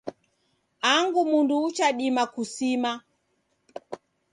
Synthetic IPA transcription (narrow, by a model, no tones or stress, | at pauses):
aŋɡumunduːt͡ʃaɗimakusima